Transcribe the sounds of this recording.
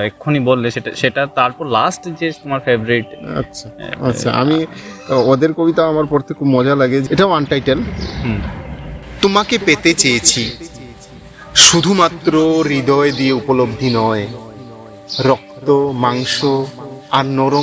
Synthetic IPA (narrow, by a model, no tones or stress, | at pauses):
ekʰːonibolːeʃeʈa̰ʃeʈat̪aɾpɔɾlasʈd͡ʑet̪omaɾfebɾɾiʈa̰tːɕʰa̰a̰tːɕʰa̰ʔa̰mi | od̪eɾkobit̪aamaɾpɔɾt̪ʰekʰːubmɔd͡ʑalaɡed͡ʑeʈaoanʈajʈelɦ̩ | t̪omakepet̪et͡ɕejet͡ɕʰi | ʃud̪ʱumat̪ːɾoɾid̪ʱɔed̪ieupolobd̪ʱinɔe | ɾɔk̚t̪omaŋʃoaɾnɔɾo